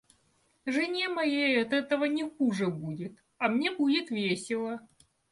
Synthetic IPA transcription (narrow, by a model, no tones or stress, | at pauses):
ʐɨnʲemɐjejɐt̪ɛt̪əvənʲɪxuʐɨbudʲɪt̪ | ɐmnʲe̞budʲɪt̪vʲesʲɪlˠə